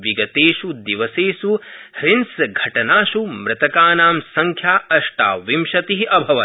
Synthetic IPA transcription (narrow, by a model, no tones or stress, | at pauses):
ʋiɡɐt̪eːʃud̪iʋɐseːsuhɾinsɡʱɐʈɐnaːʃumɾɨt̪ɐkaːnaːmsɐŋkʰjaːɐʂʈa̰ːʋimʃɐt̪iɦiʔɐbʱɐʋɐ